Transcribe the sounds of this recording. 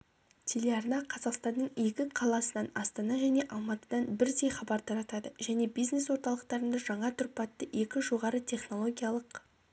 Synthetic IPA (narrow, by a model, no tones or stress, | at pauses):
t̪ʲʰe̞lʲe̞ɑrnɑqʰɑzɑqst̪ɑnd̪əɴe̞kʲɪqʰɑlˠɑsənɑnɑst̪ɑnɑʒæne̞ʔɑlˠmɑt̪əd̪ɑnbɪɾd̪e̞jχɑbɑɾt̪ʰɑɾɑt̪ɑd̪əʒæne̞bijzne̞swo̞ɾt̪ɑlˠəqt̪ɑɾənd̪ɑʒɑɴɑt̪ʰʊɾpɑt̪ːəʔe̞kʲɪʒo̞ʁɑɾət̪ʰʲe̞χno̞lˠo̞ɡʲijɑlˠəq